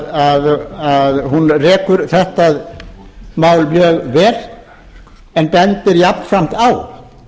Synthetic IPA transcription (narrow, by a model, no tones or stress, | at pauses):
aðaðhunrɛːkʏɾθɛht̪að | maːwlmjœːɣvɛːɾ | ɛnpɛnt̪ɪɾjapnsam̥t̪aːw